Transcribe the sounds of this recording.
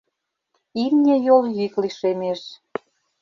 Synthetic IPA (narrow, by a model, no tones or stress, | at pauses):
imnʲĕjoljykliʃemeʃ